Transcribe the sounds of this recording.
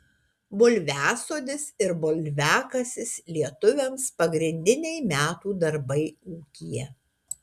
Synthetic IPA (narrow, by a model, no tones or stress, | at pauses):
bʊlʲʋʲæːsoːd̪ʲɪsɪɾbʊlʲʋʲæːkɐsʲɪslʲiɛt̪ʊʋʲɛmspɐɡɾʲɪnʲd̪ʲɪnʲɛɪmʲæːt̪uːd̪ɐɾbɐɪuːkʲijɛ